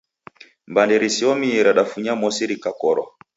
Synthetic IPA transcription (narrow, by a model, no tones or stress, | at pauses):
mbandɛɾisiɔmiɛɾaɗafuɲamɔsiɾikakɔɾwa̰